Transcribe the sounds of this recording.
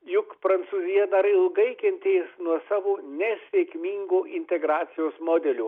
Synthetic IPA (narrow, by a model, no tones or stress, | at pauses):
jʊkpɾɐnt̪suːzʲɪjɛnɐɾɐɪɪlˠɡɐɪkʲɛnʲt̪ʲeːsnuɔsɑːʋoːnʲɛsʲʋʲɛkʲmʲiːŋɡoːʔɪnʲt̪ʲɛɡɾɑːt̪sʲɪjoːsmoːd̪ʲɛlʲuː